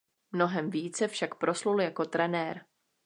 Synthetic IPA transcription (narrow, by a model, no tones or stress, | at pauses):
mno̞ɦɛmviːt͡sɛfʃakpɾo̞sluljako̞t̪ɾɛnɛːɾ